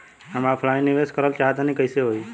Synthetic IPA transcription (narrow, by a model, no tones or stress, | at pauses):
əmapʰlaniʋeskəɾəlt͡ʃat̪anikəjseɦoj